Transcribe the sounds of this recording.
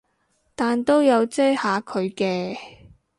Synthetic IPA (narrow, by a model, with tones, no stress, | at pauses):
t̪aː˨nt̪o˥wjɐ˨˧wt͡sɛ˥haː˨˧kʰɵ˨˧ɥkɛː˧